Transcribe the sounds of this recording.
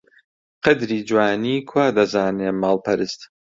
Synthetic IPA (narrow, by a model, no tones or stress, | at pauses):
qɐd̪ɾiːd͡ʒwaːniːkʰwaːd̪ɐzaːneːmaːlpʰɐɾɨst̪